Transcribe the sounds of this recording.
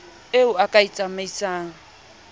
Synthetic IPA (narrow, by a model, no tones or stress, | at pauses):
eʊakʼait͡sʼamait͡sʼaːŋ̩